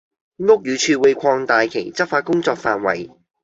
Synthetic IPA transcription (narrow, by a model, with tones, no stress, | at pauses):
ŋʊ˥k̚jyː˨˧˥t͡ʃʰyː˧wu˨˧jkʷʰɔː˧ŋt̪aː˨jkʰe˨˩jt͡sɐ˥p̚faː˧t̚kʊ˥ŋt͡sɔː˧k̚faː˧nwɐ̰˨˩j